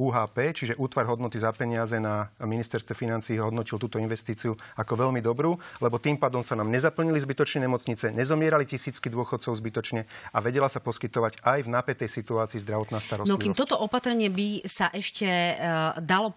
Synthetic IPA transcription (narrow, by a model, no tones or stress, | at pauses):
uːɦaːpɛːt͡ʃiʒɛʔuːt̪ʋaɾɦɔd̪nɔt̪izapɛɲɪazɛnaminist̪ɛɾst̪ʋɛfinant͡siːɦɔd̪nɔcilt̪uːt̪ɔinʋɛst̪iːt͡siuakɔʋɛʎmid̪ɔbɾuːlɛbɔt̪iːmpaːd̪ɔmsanaːmɲɛzapl̩ɲilizbit̪ɔt͡ʃɲɛɲɛmɔt͡sɲit͡sɛɲɛzɔmɪɛɾalicisiːt͡skid̪ʊɔxɔt̪t͡sɔʊzbit̪ɔt͡ʃɲɛaʋɛɟɛlasapɔskit̪ɔʋaɟajvnaːpɛt̪ɛjsit̪uaːt͡siːzd̪ɾaʋɔt̪naːst̪aɾɔsnɔikimt̪ɔt̪ɔʔɔpat̪ɾɛɲɪɛbisaʔɛʃcɛ | d̪alɔ